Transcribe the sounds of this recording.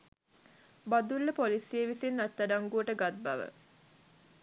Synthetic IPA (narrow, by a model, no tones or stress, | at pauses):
bad̪ulːəpoliseʋisinːat̪ːaɖaŋɡuəʈəɡat̪̚ba̰ʋə̰